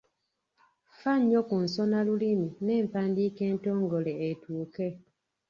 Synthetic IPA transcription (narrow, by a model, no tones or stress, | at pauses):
faɲːokunsonalulimine̞ːmpaːndiːkeːntoːŋɡoleːtuːke